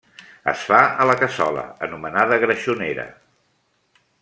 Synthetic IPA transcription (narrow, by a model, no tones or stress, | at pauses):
ə̰sfaələkəsɔlə̰ənumənaðəɣɾəʃuneɾə̰